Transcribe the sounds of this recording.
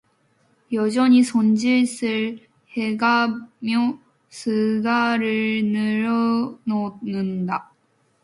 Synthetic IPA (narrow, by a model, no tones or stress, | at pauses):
jʌd͡ʑʌɲisʰond͡ʑiɭs͈ɯɭ | he̞ɡamjo | sʰɯɡaɾɯɭnɯɾʌnonɯnda